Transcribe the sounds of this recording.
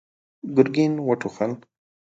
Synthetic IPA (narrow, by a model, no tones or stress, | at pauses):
ɡʊɾɡinwaʈʰuxan